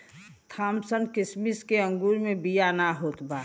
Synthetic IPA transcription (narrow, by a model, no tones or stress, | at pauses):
t̪ʰaːmsənkɪsmiskeə̃ŋɡuːɾmẽbijanaɦoːt̪baː